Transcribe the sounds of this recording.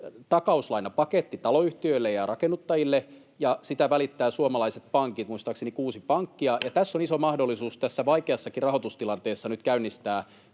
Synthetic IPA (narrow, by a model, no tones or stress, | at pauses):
t̪ɑkɑuslɑinːɑpɑket̪ːit̪ɑloyht̪iøilːejɑrɑkenːut̪ːɑjilːe | jɑsit̪æʋælit̪ːæːsuomɑlɑiset̪̚pɑŋkit̪muist̪ɑːksenikuːsipɑŋkːiɑjɑt̪æsːonisomɑhdolːˑisuːst̪æsːæʋɑikeɑsːɑkirɑhot̪ust̪ilɑnt̪eːsːɑnyt̪kæynːist̪æː